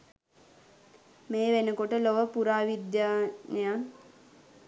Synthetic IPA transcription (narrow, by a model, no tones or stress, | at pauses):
meːʋenəkoʈəloʋəpuɾaːʋid̪jaːnəja